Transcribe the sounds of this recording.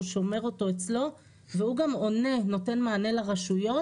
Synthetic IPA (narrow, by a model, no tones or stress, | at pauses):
ʃome̞ʁo̞to̞et͡slo̞ | vehuɡamo̞ne̞no̞te̞nmaːne̞laʁaʃujo̞